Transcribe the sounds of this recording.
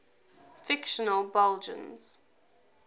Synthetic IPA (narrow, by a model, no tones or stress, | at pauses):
fɪkʃənəlˠbɛlˠd͡ʒə̰̃nz̥